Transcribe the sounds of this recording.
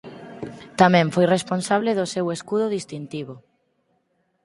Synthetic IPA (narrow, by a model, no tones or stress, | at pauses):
t̪amɛ̃ɱfojresponsaβ̞leðoseweskuðʊðist̪int̪iβʊ